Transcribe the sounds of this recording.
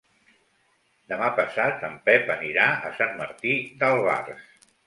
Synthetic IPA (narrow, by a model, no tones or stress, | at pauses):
d̪əmapəsat̪əmpɛpəniɾaə̰sanməɾt̪id̪əlˠβa̰rs